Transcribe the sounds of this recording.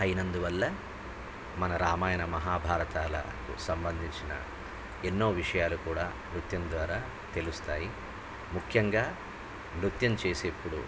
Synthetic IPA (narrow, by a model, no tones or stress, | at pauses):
ɐjinɐnd̪uʋɐlːɐ | mɐnɐɾaːmaːjɐnɐmɐɦaːbʱaːɾɐt̪aːlɐ̰ | kṵsɐmbɐnd̪ʱiɲt͡ʃinɐ̰ | enːoːʋiʂɐjaːlukuːɽaː | mɾut̪jɐmd̪ʋaːɾaː | t̪e̞lust̪aːji | mukʰjɐŋɡaː | mɾut̪jɐmt͡ʃeːse̞pːuɽṵ